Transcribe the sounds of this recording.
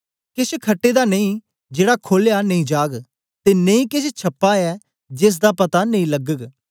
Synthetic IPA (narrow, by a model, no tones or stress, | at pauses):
kɪt͡ʃʰkʰəʈːeːd̪aːneĩː | d͡ʒeːɽaːkʰoːljaːnəĩːd͡ʒaːɡ | t̪eːnẽĩːkɪt͡ʃʰt͡ʃʰɐpːaːɛː | d͡ʒɪs̬d̪aːpɐt̪anə̃ĩləɡəɡ